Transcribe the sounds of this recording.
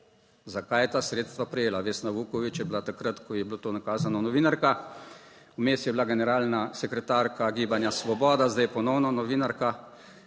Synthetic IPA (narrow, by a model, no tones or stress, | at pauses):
zakajɛt̪aːsɾeːt̪st̪ʋapɾɛjeːlaʋeːsnaʋukɔʋit͡ʃjɛbilat̪akɾat̪kɔjɛbloːt̪oːnakaːzanɔnɔʋiːnaɾka | umeːst̪jɛblaɡɛnɛɾaːlnasɛkɾɛt̪aːɾkʰaɡiːbanjasʋɔbɔːd̪azd̪ajɛpɔnɔwnɔnɔʋiːnaɾka